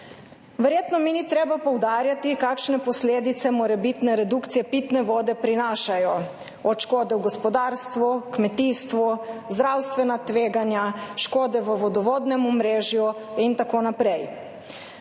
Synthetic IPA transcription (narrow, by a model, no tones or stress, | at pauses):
ʋɛɾjeːt̪nɔminit̪ɾeːbapɔwd̪aːɾjat̪ikakʃnɛpɔsleːd̪it̪sɛmɔɾɛbit̪nɛɾɛd̪ukt̪sijɛpit̪nɛʋoːd̪ɛpɾinaːʃajɔ | ɔt̪ʃkoːd̪ɛwɡɔspɔd̪aːɾst̪ʋukmɛt̪iːst̪ʋɔzd̪ɾawst̪ʋɛnat̪ʋeːɡanjaʃkoːd̪ɛʋəʋɔd̪ɔʋoːd̪nɛmɔmɾeːʒjuint̪akoːnapɾɛj